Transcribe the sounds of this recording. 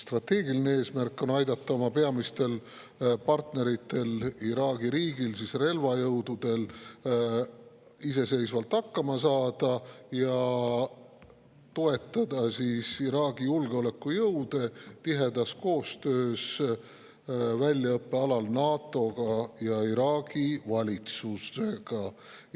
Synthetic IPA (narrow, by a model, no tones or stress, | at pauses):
st̪rɑt̪ːˑe̞ːɡilinee̞ːsmærkˑːo̞nɑjd̪ɑt̪ˑːɑo̞mɑpe̞ɑmist̪e̞l | pɑrt̪ne̞ɾit̪ːˑe̞liɾɑːɡiɾiːɡ̥ilsisre̞lvɑjɤwd̪ud̪̥e̞l | is̬e̞se̞jsvɑlt̪ɑkːɑmɑsɑːd̪̥ɑjɑ | t̪o̞e̞t̪ːˑɑd̪ɑsisiɾɑːɡ̥ijulɡeo̞le̞kːujɤwd̪̥e̞t̪iɦe̞d̪ɑsko̞ːst̪ø̞ːs | vælʲːjɑɤpːe̞ɑlɑlnɑːt̪ːˑo̞ɡ̥ɑjɑiɾɑːɡ̥ivɑlʲit̪suse̞ɡ̥ɑ